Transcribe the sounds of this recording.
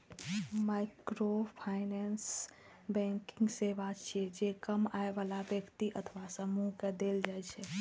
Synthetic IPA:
maːɪkɾopʰaːɪnɛns | bɛ̃ːŋkɪ̃ŋɡseʋaːd͡ʒt͡ʃʰed͡ʒekəmaːeʋalaʋjəkt̪iʔət̪ʰʋasəmuɦked̪eːld͡ʒaːet͡ʃʰe

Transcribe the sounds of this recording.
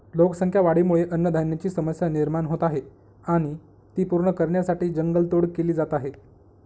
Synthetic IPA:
lokəsəŋkʰjaʋaɽ̤imuɭeʔənːəd̪ʱənjat͡ɕiːsəməsjaniɾmanɦot̪aɦe | aɽ̃i | t̪iːpuɾɳəkəɾɳjasaʈiːd͡ʑəŋɡəlt̪oɽkeliːd͡zat̪aɦe

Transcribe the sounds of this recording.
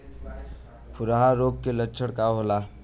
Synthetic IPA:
pʰuɾaɦaɾoɡ̚kːelətːt͡ʃʰəɽkaɦola

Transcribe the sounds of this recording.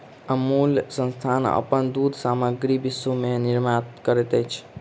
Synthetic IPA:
əmulsə̃nst̪ʰanə̰pənd̪ud̪ʱsaməɡɾibisumeniɾmat̪kəɾɛt̪ɛt͡ʃʰ

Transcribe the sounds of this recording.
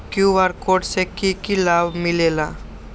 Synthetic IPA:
kjuʋaɾkoɖsekikilabmilela

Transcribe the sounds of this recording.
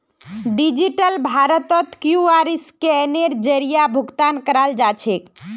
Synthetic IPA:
ɖid͡ʒiʈəlbʱaɾət̪ɔt̪kjuaɾiskɛneɾd͡ʒəɾijabʱuɡt̪ankəɾald͡ʒat͡ʃʰek

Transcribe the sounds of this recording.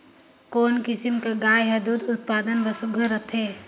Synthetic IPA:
koːnkɪsɪmkaɡaːjɦɐd̪uːd̪ʊt̪̚paːd̪ənʋəsʊɡʱəɾət̪ʰɦeː

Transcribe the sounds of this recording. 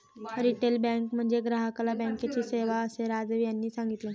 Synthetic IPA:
ɾiʈelbɛ̃ŋkm̤əɳd͡zeɡɾaɦəklabə̃ŋket͡ɕiːseʋaəseɾad͡zʋjanːiːsãŋɡit̪le

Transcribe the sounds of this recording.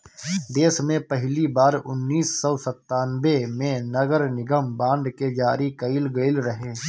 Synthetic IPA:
d̪eːsmẽpɛɦlibaːɾʊ̰nːiːsːɔːsɐt̪ːaːnʋemẽnɐɡəɾnɪɡəmbãːnɖ̪ked͡ʒaːɾikɐɪlɡəɪlɾɐɦeː

